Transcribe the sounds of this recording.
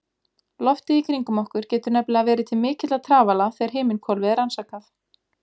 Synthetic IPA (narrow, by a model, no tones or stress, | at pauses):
lɔft̪ɪikʰɾiŋkʏmɔhkʏɾ̥cɛːt̪ʏɾnɛplɛɣavɛːɾɪt̪ʰɪlmɪːcɪt̪lat̪ʰɾaːvalaθɛɣaɾ̥ɦeːmɪnkʰɔlvɪðaɾansaːkaθ